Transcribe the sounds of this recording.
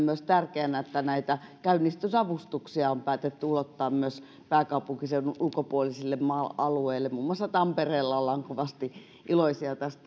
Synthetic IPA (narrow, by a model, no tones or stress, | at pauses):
mmyøst̪ærkeænæet̪ːænæit̪ækæynːist̪ysɑʋust̪uksiɑompæːt̪et̪ːyulot̪ːɑːmmyøs | pæːkɑupuŋkisenulkopuolisilːemmɑɑlueilːemmuːmːŭɑsːɑt̪ɑmpereːlːɑolːɑːŋkoʋɑst̪i | ʔiloisiɑt̪æst̪æ